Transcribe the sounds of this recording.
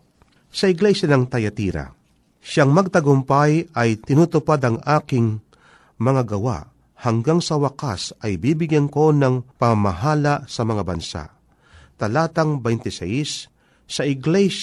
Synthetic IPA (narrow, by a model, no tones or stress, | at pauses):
sɐɪɡlɛʃanɐŋt̪ɐjɐt̪iːɾa̰ | ʃaŋmɐɡ̚t̪ɐɡʊmpajɐjt̪ɪnuːt̪ʊpad̪ɐŋʔaːkɪŋ | mɐŋaɡɐwa̰ʔ | hɐŋɡaŋsɐwɐkasɐjbiːbɪɡjɛnko̞nɐŋpɐŋamaɦaːlasɐmɐŋabɐnsa̰ʔ | t̪ɐlaːt̪ɐŋbɛjnt̪ɪsɛjsː | ɐʔɪɡlɛʃ